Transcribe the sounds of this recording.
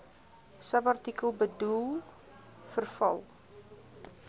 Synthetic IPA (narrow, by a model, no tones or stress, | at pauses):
səbɐrtikəlˠbədulˠ | fərfɐ̰lˠ